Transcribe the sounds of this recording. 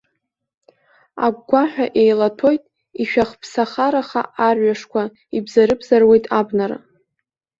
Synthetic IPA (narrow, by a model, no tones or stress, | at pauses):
a̰ɡ̚ʷɡʷaħᶣaʔe̞jlatʰo̞jtʼ | iʃᶣaχpʰsaχaɾaχa̰ʔarɥaʂkʷʰa | ibzaɾɨbzarwe̞jtʼabnaɾa̰